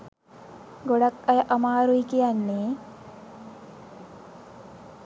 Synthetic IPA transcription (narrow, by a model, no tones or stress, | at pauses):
ɡoɽɐkːɐjʔɐmaːɾujkijɐnːeː